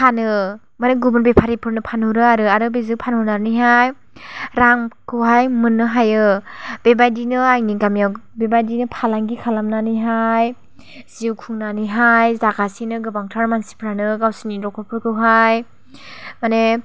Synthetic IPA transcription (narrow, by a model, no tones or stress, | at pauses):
kʰanɯ | maneɡubɯnbepʰaɾipʰɯɾnɯpʰanhuɾɯaɾɯaɾɯbezɯpʰanhunaɾnɯjɦaj | ɾaŋkʰɯwɦajmɯnːɯɦajɯb̥ebajdinɯajniɡamjawbebajdinɯpʰalaŋɡikʰalamnanɯjɦaj | z̥iwkʰuŋnanɯjɦajzakasinɯɡɯbaŋtʰaɾmansi̥pʰɾanɯɡawsiniɾɔkʰɔpʰɯɾkʰɯwɦaj | mane